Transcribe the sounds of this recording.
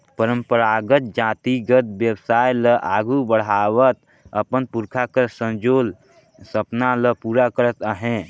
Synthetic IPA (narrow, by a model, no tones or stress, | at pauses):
pəɾə̃mpəɾaɡət̪̚d͡ʒaːt̪iɡət̪̚bjəbsaːjləʔaɡubəɽ̤awət̪̚ | əpənpuɾkʰakəsə̃nd͡ʒoːl | səpnaləpuːɾakəɾət̪əɦɛ̃